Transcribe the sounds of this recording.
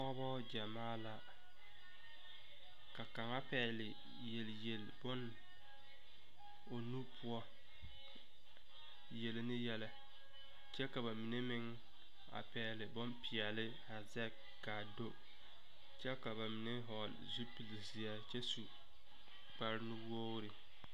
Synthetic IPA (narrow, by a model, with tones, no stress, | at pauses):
kɔ˦bɔ˦d͡ʒa˨maː˦la˨ | ka˨ka˨ŋa˦pɛː˨lɪ˨ | je˨lje˨lbʊ˦n | o˨nu˦pʰʊ˦ɔ˦ | je˨lɪ˨nɪ˦jɛ˦lɛ˦ | t͡ʃɛ˦ka˨βa˨mi˨ne˦mɪ˦ŋ | a̰˨pɛː˨lɪ˨bʊ˦npɪ˨ɛ˨lɪ˦ha˨zɛ˦k | ɡa˨do˦ | t͡ʃɛ˦ka˨βa˨mi˨ne˦ɦɔ˨l | zu˦pi˨li˨si˨a˦t͡ʃɛ˦su˨ | k͡pa˨ɾnu˦wo˦ɾɪ˨